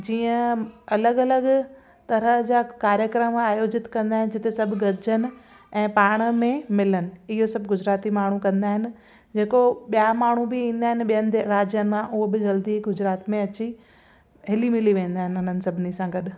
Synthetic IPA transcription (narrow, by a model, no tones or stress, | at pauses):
d͡ʑiːə̃ɐləɡɐləɡ | t̪ɐɾəd͡ʑaːkaːɾjəkɾəmaːjoːd͡ʑɪt̪kɐ̃nd̪aːɦɪnɪd͡ʑɪt̪esɐbʱɡɐɾd͡ʑʱənɪ̆ | ɛ̃ːpaːɽ̃ə̆mẽmɪlənɪ̆ɪɦosɐbʱɡʊd͡ʑɾaːt̪imaːɳ̤ukɐ̃nd̪aːɦɪnɪ̆ | d͡ʑeːkoɓijamaːɳ̤ubɪĩːn̆d̪aːɦɪnɪ̆ɓijənɪ̆ɾaːd͡ʑjənɪ̆mãʔʊɦobɪd͡ʑɐld̪iɡʊd͡ʑɾaːt̪mẽɐt͡ɕi | ɦɪlimɪliʋẽːn̆d̪aːɦɪnʊn̤ənɪ̆sɐbʱɪnisãɡɐɗ